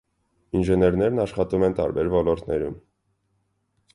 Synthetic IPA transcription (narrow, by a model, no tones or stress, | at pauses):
inʒɛnɛɾnɛɾnɑʃχɑt̪umɛnt̪ɑ̰ɾbɛɾvɔlɔɾt̪nɛɾṵm